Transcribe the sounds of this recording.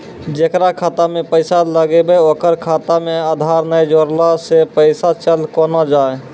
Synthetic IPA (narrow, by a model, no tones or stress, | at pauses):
d͡ʒekɾakʰat̪amepəɪsaləɡebəoːkəɾkʰat̪amead̪ʱaɾnəjd͡ʒoɾlasepəɪsat͡ʃəlkɔnad͡ʒae